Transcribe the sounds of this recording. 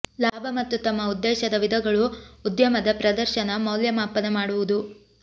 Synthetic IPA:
laːbʱɐmɐt̪ːut̪ɐmːɐud̪ːɛːʃɐd̪ɐʋid̪ʱɐɡɐɭuːd̪jɐmɐd̪ɐpɾɐd̪ɐɾʃɐnɐmɐwljɐmaːpɐnɐmaːɽuʋud̪u

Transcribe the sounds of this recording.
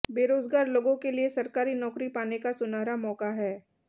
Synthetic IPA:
beːɾoːzɡaːɾloːɡõkeliesɐɾkaːɾinɔːkɾipaːnekasʊnaːɾamɔːkaɦɛː

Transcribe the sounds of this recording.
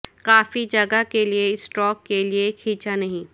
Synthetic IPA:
kaːfid͡ʒɐɡəkeliesʈɔːkːeliekʰiːt͡ʃanɐɦĩː

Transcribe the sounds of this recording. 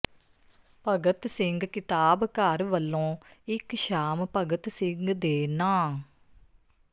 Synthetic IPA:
pəɡət̪sɪŋɡkɪt̪aːbkəɾʋəlːõːɪkʃaːmpəɡət̪sɪ̃ŋɡd̪eːnãː

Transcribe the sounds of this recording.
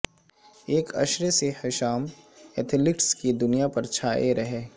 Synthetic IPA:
eːkɐ̰ʃɾesehɪʃaːmet̪ʰɪlɪʈskid̪ʊnijapɐɾt͡ʃʰaːeɾɐɦeː

